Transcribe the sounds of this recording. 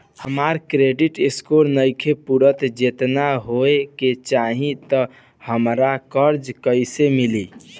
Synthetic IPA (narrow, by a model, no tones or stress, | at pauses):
həmaɾkɾeɖiʈeskoɾnəjkʰepuɾət̪d͡ʒet̪naɦoeket͡ʃaɦĩt̪ɔ | həmɾakəɾd͡ʒkəɪsemili